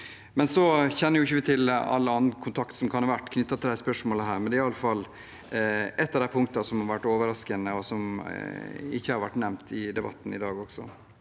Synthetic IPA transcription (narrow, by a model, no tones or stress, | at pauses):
mɛnsɔçɛnːəɾjʊɪçːəʋɪt̪ʰɪlɑ̰lːəɑnnkʰʊnt̪ʰɑkt̪sɔmkʰɑnɑʋæʈːkʰnʏt̪ːɑt̪ʰɪld̪æɪspœʂmoːləɦæːɾmɛnd̪ɛɪɑlːəfɑl | ʔɛt̪ːɑʋd̪æɪpʰʊŋkt̪ɑsɔmhɑɾʋæʈːoːʋəɾɑskənəɔsɔm | ɪçːəhɑɾʋæʈːnɛmt̪ɪd̪ɛbɑt̪ːn̩ɪd̪ɑːɡɔɡ̥sɔ̰